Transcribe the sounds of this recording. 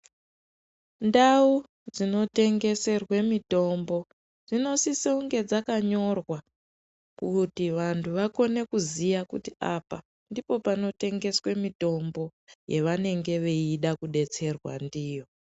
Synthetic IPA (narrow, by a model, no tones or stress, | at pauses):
ndau | d͡zino̞te̞ŋɡe̞se̞rwe̞mito̞mbo̞ | d͡zino̞siseuŋɡe̞d͡zakaɲo̞rwa | kutiʋantʰuʋako̞ne̞kuzijakṵtiapa | ndipo̞pano̞te̞ŋɡe̞swe̞mito̞mbo̞je̞ʋane̞ŋɡe̞ʋe̞iɗakuɗe̞t͡se̞rwa̰ndiːjo̞